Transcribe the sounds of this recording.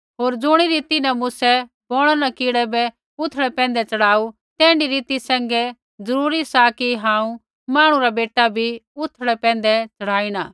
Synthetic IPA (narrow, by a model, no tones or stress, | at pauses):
ɦoːɾd͡zʊɽ̃iɾiːt̪inɐmʊsɛ | boːɽ̃anɐkɪːɽɛbɛ | ʊt̪ʰəɽɛpɛ̃ːnd̪ɛt͡sɐɽ̤aːu | t̪ɛ̃ːɳɖiɾiːt̪isɛ̃ːŋɡɛ | d͡zɐɾuːɾisakiɦãːũ | maːɽ̃uɾabeːʈːabʱiʊt̪ʰɽɛpɛ̃ːn̆d̪ɛt͡sɐɽ̤aːiɽ̃aː